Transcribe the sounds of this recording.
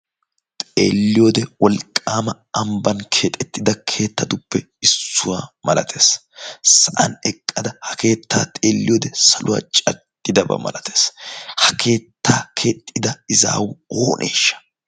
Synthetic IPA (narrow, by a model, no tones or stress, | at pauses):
t̪ʼeːlːɪjoːd̪ɛwɔlkʼːaːmɐ | ɐmbɐnkʰeːt̪ʼɛt̪ːɪd̪ɐkʰe̞ːt̪ːɐd̪ʊpːɛ | ɪsːʊwaːmɐlɐt̪ʰe̞ːs | sɐʔɐ̰nɛkʼːɐd̪ɐhɐke̞ːt̪ːaːt̪ʼeːlːɪjoːd̪ɛsɐlʊwa̰ːt͡ʃʼɐt̪ʼːɪd̪ɐbɐ̰mɐ̰lɐt̪ʰe̞ːshɐkʰe̞ːt̪ʰːaːkʰe̞ːt̪ʼːɪd̪ɐɪza̰ːwʊoːnʔḛːʃːɐ̥